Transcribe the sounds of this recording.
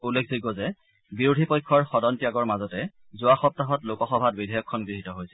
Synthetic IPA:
ulːekʰziɡɔzɛ | biɹudʱipɔjkʰːɔɹxɔdɔntijaɡɔɹmazɔtɛ | zʊwaxɔp̚taɦɔtlokɔxɔbʱat̚bidʱɔjɔkʰːɔnɡɹiɦitɔɦojsɛ

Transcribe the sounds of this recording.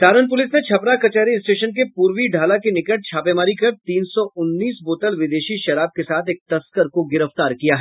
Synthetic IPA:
saːɾənp̬ʊlɪsnet͡ʃʰɐpɾakɐt͡ʃɛːɾiɪsʈeːʃənk̬epuːɾʋiɖʱaːlakenɪkəʈ̚t͡ʃʰaːpemaːɾikɐɾt̪iːnsɔʊnːiːsboːt̪əlʋɪd̪eːʃiʃɐɾaːb̚kesaːt̪ʰeːk̚t̪ɐskəɾkoɡɪɾəft̪aːɾkijaɦɛː

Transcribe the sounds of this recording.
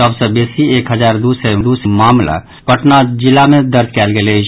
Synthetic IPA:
əbsə̃besiekɦəd͡ʒaɾd̪usɛd̪usmamla̰ | pəʈnad͡ʒilːamed̪əɾd͡ʒkɛlɡelet͡ʃʰ

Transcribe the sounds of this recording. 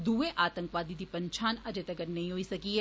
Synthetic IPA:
d̪uːẽʔaːt̪ə̃ŋkʋaːd̪id̪iːpɐɲt͡ʃʰaːnɐd͡ʒet̪əɡəɾnɐɦĩɦoːisɐkiɦɛː

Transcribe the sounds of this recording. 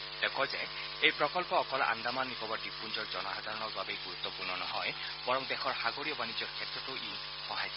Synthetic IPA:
d̪ekʰɔd͡ʒe | ejpɾɔkɔlpɔːkɔlʔa̰nd̪amanːikɔbɔɖipʰund͡ʒɔɾd͡ʒɔnɔɦad̪ʱaɾɔɽ̃ɔkbabejɡuɾut̪ːɔpuɾnɔnɔɦɔj | b̥ɔɾɔŋd̪exʰɔɾhaɡoɾiɔbanid͡ʒɔɾkʰjet̪ɾɔt̪oʔi | hɔɦaj

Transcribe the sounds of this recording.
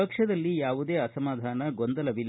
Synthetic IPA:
ɐkʂɐd̪ɐlːijaːʋud̪eːɐsɐmaːd̪ʱaːnɐɡond̪ɐlɐʋil

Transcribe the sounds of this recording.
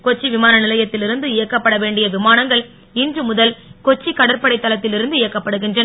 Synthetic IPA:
kɔt͡ʃːiʋɪmaːnɐnɪlɐjɐt̪ːɪlɪɾɯnd̪ɯɪjɐkːɐpːɐɽɐʋeːɳɖɪjɐʋɪmaːnɐŋɡɐɭ | ɪndrɯmʊðɐlkɔt͡ʃːikːɐɽɐɾpɐɽɐɪt̪ːɐlɐt̪ːɪlɪɾɯnd̪ɯɪjɐkːɐpːɐɽɯɣɪndrɐnɐ

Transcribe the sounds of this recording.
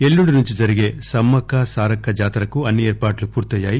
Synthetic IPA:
elːuɳɖinuɲt͡ʃid͡ʒɐɾiɡe̞ːsɐmːɐkːasaːɾɐkːɐd͡ʒaːt̪ɐɾɐkuɐnːieːɾpaːʈlupuːɾt̪ɐjːaːji

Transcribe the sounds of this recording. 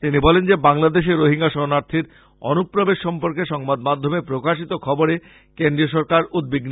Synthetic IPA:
t̪inibɔlend͡ʑebaŋlad̪eʃ̬eɾoɦiŋɡaʃɔnaɾt̪ʰiɾ | ɔ̰nupːɾobeʃːɔmpoɾkeʃɔŋbad̪mad̪ʱːomepɾokaʃit̪okʰɔboɾe | kend̪ɾioʃ̬ɔɾkaɾud̪̚biɡn

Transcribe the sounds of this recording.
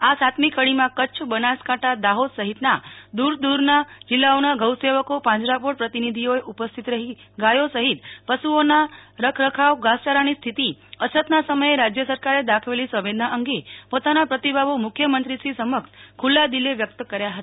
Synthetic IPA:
asat̪mikʰəɭimãkət͡ʃʰbənaskãʈʰad̪aɦod̪səɦit̪nad̪uɾd̪uɾnad͡ʒɪlːaonaɡʱəwseʋəkopãd͡ʒɾapoɽpɾət̪inid̪ʱioeʔupəst̪ʰit̪ɾəɦiɡajosəɦit̪pəsuonaɾəkʰɾəkʰaʋɡãst͡ʃaɾanist̪ʰit̪iəsət̪nasəməeɾad͡ʒjəsəɾkaɾed̪akʰʋelisəʋed̪naʔəŋɡepot̪anapɾət̪ibʱaʋomʊkʰjəmənt̪ɾisisəməkskʰulːad̪ileʋjək̚t̪əkəɾjaɦət̪a

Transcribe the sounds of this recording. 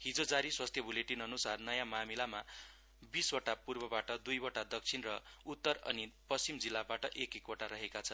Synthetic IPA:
hid͡zod͡zaɾiswast̪ʰjʌbʱuleʈinʌnusarnʌjãmamilama | biswʌʈapurbʌbaʈʌd̪ujbʌʈad̪ʌk̚t͡sʰinrʌut̪ːʌrʌ̰nipʌst͡simd͡zilːabaʈʌʔekekoʈaɾʌɦekat͡sʰʌn

